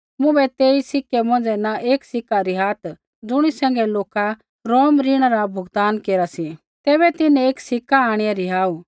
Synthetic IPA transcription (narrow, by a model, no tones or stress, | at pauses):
mʊ̃bɛt̪eːisɪkɛmɔ̃ːnd͡zɛnaʔeːksɪkːaɾiɦaːt̪ | d͡zʊɽ̃isɛ̃ːŋɡɛloːka | ɾoːmɾiɽ̃ɾabʱʊɡt̪aːnkeːɾasi | t̪ɛːβɛt̪ɪnɛ̃eːksɪkːaaːɽ̃ɪjaɾiɦaːu